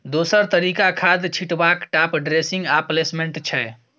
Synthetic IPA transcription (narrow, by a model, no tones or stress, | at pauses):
d̪osəɾt̪əɾikakʰad̪t͡ʃʰiʈbakʈapɖɾesĩŋɡaplesmeɳʈt͡ʃʰɛ